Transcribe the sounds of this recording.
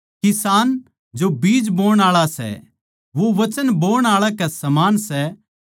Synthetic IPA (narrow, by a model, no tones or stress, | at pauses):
kɪsaːn | d͡ʒobiːd͡ʒboːɽ̃aːɭasɛ̰ | ʋoʋɐt͡ʃənboːɽ̃aːɭakɛsɐmaːnsɛ